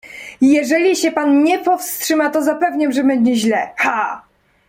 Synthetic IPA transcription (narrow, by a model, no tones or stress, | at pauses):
jɛʐɛlʲiɕɛpanɲɛpɔfstʂɘmat̪ɔzapɛvɲamʐɛbɛɲd͡ʑɛʑlɛxa